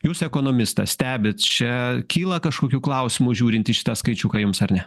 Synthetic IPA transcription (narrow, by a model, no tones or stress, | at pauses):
juːsɛkoːnoːmʲɪst̪ɐsʲt̪ʲæːbʲɪt̪t͡ʃʲɛkʲiːlˠɐkɐʃkoːkʲuːklˠɐʊsʲɪmʊʒʲuːɾʲɪnt̪ʲɪʃʲɪ̥t̪ɑːskɐɪt͡ʃʲuːkɐjʊmsɐɾnʲɛ